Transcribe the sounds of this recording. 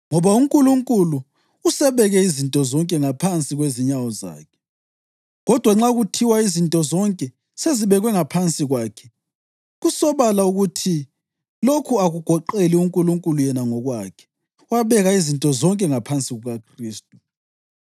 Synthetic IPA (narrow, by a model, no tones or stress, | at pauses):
ŋɔβauŋkʼuluŋkʼuluː | sɛβɛɣɛizintʼɔzɔŋkʼɛŋapʰant͡sʼiɣweziɲawɔza̰ːkʰɛ̥ | ɣɔd̥ʱwaŋ͡ǁaɣutʰiwaizintʼɔzɔŋkʼɛ | seziβɛɣwɛŋapʰant͡sʼiɣwaːkʰɛ̥ | ɣusɔβalauɣutʰi | lokʰuaɣuɡ̥ʱɔǃeliuŋkʼuluŋkʼulujɛnaŋɔɣwakʰɛ̥ | waβɛɣaizintʼɔzɔŋkʼɛŋapʰant͡sʼiɣuɣakʰriːstʼu